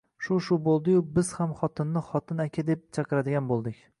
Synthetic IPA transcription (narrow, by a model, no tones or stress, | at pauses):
ʃʊʃʊbolˠd̪ɪjʊbɪz̥hamχɒt̪ʰɪnːɪχɒt̪ʰɪnakʲʰad̪e̞p̚t͡ʃʰɑqɨɾad̪ɪɡʲanbolˠd̪ɪkʲ